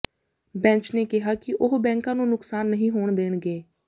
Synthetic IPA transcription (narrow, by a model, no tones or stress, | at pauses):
bɛ̃ːɲt͡ʃneːkɪɦaːkɪʔʊɦbɛ̃ːŋkãːnũːnʊksaːnːəɦĩːɦoːɳd̪eːnɡeː